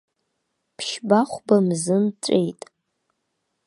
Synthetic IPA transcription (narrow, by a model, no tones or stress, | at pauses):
pʰʃbaχʷbamzɨmt͡sʷʼḛjtʼ